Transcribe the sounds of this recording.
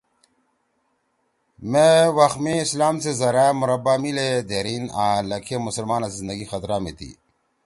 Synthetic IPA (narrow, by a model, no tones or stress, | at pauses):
mewɐxmĩːslaːmt͡sezɐɾamʊɾɐbamiled̪eɾinaːlɐkʰemusəlmaːnaszind̪əɡixɐt̪ɾaːmit̪ḭ